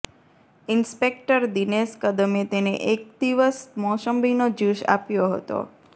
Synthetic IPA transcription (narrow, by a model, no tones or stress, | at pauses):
ɪnspek̚ʈəɾd̪ineskəd̪əmet̪enḛʔek̚d̪iʋəsmɔsəmbʱinod͡ʒuʃa̰pjoɦə̰t̪o̰